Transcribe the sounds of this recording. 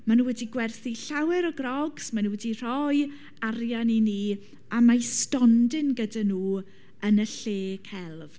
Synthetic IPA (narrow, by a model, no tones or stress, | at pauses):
manuːwɛdiɡwɛrθiɬawɛɾɔɡrɔɡsmanuwɛdir̥ɔj | arjanini | amajstɔndɪnɡədanuː | ənəɬeːkʰɛlˠv